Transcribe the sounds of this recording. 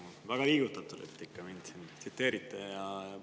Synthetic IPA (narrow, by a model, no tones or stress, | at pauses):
o | væɡ̥ɑliːɡut̪ːˑɑt̪ˑulet̪ːˑikːɑmind̪̥sint̪sit̪ːe̞ːɾit̪ːˑejɑjɑ